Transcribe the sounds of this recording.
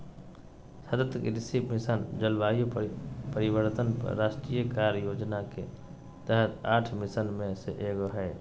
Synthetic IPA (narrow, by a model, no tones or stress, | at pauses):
səd̪ət̪əkiɾɪsibmɪsənd͡ʒəlʋaːjopəɾɪwəɾt̪ənpə̰ɾaːʃʈɾijəkaːɾjoːd͡ʒnake | t̪ɛɦət̪aːʈʰmɪsənmẽseʔeːɡoɦɛː